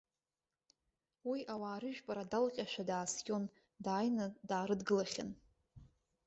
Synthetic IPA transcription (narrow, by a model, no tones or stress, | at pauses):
wiʔawaːɾɨʒᶣpʼaɾadalqʲʼaʃᶣadaːskʲʼo̞n | daːjnadaːɾɨdɡɨlaχʲa̰n